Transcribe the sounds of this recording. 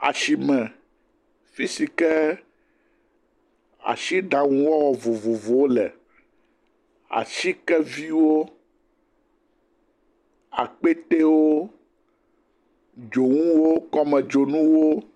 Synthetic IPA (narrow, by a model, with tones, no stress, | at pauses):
a̰˨ʃi˨mɛ̃˨ | fi˦si˨kɛ˦ | a̰˨ʃi˦ɖa˨ŋũ˦wɔ˦wɔ˨vo˨vo˨vo˨wo˦lɛ̰˨ | a̰˨ʃi˦kɛ˦vi˦wo˦ | a̰˨k͡pe˦t̪e˦wo˦ | d͡ʒo˨ŋũ˦wo˦kɔ˦mɛ̃˨d͡ʒo˨nũ˦wo˦